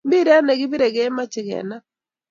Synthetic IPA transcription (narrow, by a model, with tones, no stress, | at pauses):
mbi˦ɾɛ˦a˦nɛ˨ɡɪ˦bi˦ɾe˨ɡe˦ma˦t͡ʃɪ˨ɡɛ̰˨na˦